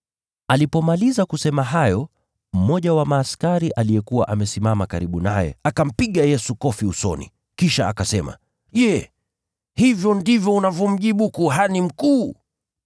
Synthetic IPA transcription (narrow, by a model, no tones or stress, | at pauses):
alipɔmalizakusɛmaɦajɔ | m̩mɔʄawamaːskaɾiʔalijɛkuwa̰ʔamɛsimamakaɾiɓunajɛ̰akam̩piɠajɛsukɔfiusɔ̰nḭ | kiʃaa̰kasɛma̰ | ʄɛ | hivjɔndivjɔunavjɔm̩ʄiɓukuɦanim̩kuː